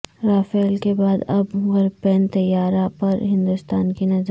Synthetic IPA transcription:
ɾaːfeːlkebaːd̪ɐbɣɐɾpeːnt̪ɐjːaːɾapɐɾɦɪ̃nd̪ust̪aːnkinɐz

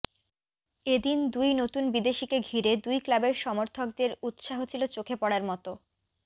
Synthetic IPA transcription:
ed̪ind̪ujnot̪unbid̪eʃikeɡʱiɾed̪ujklabeɾʃɔmoɾt̪ʰok̚d̪eɾut̪ʃaɦot͡ɕʰilot͡ɕokʰepɔɽaɾmɔt̪o

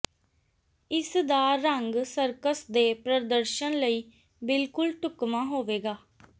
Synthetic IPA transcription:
ɪsd̪aːəŋɡsəɾkəsd̪eːpɾəd̪əɾʃənləiː | bɪlkʊlʈʊkmãːɦoːʋeːɡaː

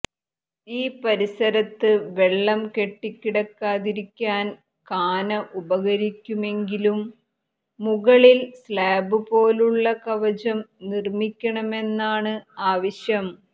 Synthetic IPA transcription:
iːpɐɾisɐɾɐt̪ːɨʋeɭːɐmke̞ʈːikʲːiɽɐkːaːðiɾikʲːaːn | kaːnɐʔubɐɣɐɾikʲːume̞ŋɡilumː | uɣɐɭilslaːbɨpo̞ːluɭːɐkɐʋɐd͡ʑɐmnirmikʲːɐɳɐme̞nːaːɳɨaːʋɐɕjɐm

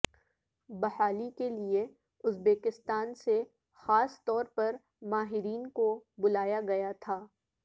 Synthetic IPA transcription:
bɐhaːlikelie | ʊzbeːkɪst̪aːnse | xaːst̪ɔːɾpɐɾ | maːɦɪɾiːnkobʊlaːjaɡɐjat̪ʰaː

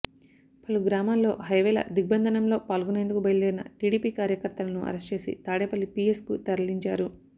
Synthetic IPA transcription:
pɐluɡɾaːmaːlːo̞ːɦɐjʋɛːlɐ̰d̪iɡ̚bɐnd̪ʱɐnɐmlo̞ːpaːlɡuneːnd̪ukubɐjɐleːɾinɐ̰ʈiːɽiːpiːkaːɾjɐkɐɾt̪ɐlɐnuʔɐ̰ɾest͡ʃe̞ːsḭt̪aːɽeːpɐlːipijeskut̪ɐɾɐliɲt͡ʃaːɾu

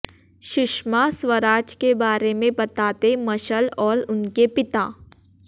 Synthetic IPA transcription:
ʃɪʃmaswəɾaːt͡ʃkebaːɾemẽbɐt̪aːt̪emɐʃəlɔːɾʊnkepɪt̪aː

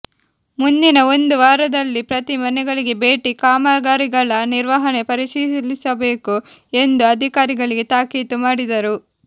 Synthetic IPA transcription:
mund̪inɐo̞nd̪uʋaːɾɐd̪ɐlːipɾɐt̪imɐnɛɡɐɭiɡe̞be̞ːʈikaːmaːɡaːɾiɡɐɭɐniɾʋɐɦɐne̞pɐɾit͡ʃilisɐbe̞ːku | e̞nd̪uɐd̪ʱikaːɾiɡɐɭiɡe̞t̪aːkiːt̪umaːɽid̪ɐɾu

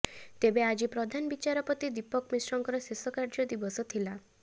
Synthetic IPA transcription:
t̪ebead͡ʒipɾɔd̪ʱanbit͡ʃaɾɔpɔt̪id̪ipɔkmisɾɔŋkɔɾɔsesɔkaɾd͡ʒɔd̪ibɔsɔt̪ʰila

